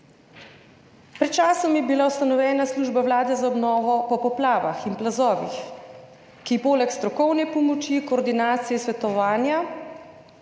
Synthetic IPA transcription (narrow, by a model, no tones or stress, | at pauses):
pɾɛt̪̚t͡ʃaːsɔmjɛbilaust̪anɔwjɛːnasluːʒbawlaːd̪ɛzaɔbnɔːʋɔpɔpɔplaːʋaxinplazɔːʋix | kipoːlɛkst̪ɾɔkɔwnɛpɔmɔt͡ʃikɔːɾd̪inaːt̪sijɛsʋɛt̪ɔʋaːnja